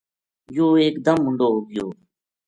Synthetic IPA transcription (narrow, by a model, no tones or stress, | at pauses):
joːeːkd̪əmːʊɳɖoːɦʊɡɪjoː